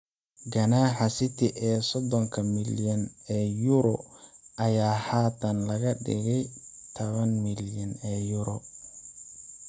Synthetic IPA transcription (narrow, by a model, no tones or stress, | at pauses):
ɡɐnaːħɑsɪt̪ʰɪʔɛːsɔd̪ɔŋkʰɐmɪljɐnɛːjʊɾɔʔɐjaːhaːt̪ʰɐnlɐɣɐɖɪ̰ɣɛjt̪ʰɔβɐnmɪljɐnɛːjʊɾɔ